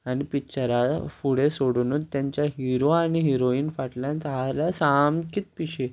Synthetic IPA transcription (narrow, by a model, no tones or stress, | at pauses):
añipit͡ɕəɾafuɽesoɽunuːnt̪jaɲt͡ɕjaɦiɾoañiɦiɾoiːnfaʈljãnt̪aɦalasamkit̪̚piɕe